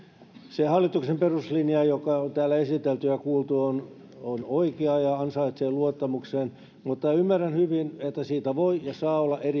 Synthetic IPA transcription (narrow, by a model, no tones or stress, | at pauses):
sehɑlːit̪uksemperuslinjɑjokɑot̪æːlːæesit̪elt̪yjɑkuːlt̪uon | onoikeɑjɑɑnsɑit̪seːluot̪ːɑmukseːn | mut̪ːɑymːærænhyʋinet̪ːæsiːt̪æʋoijɑsɑːolːɑʔeri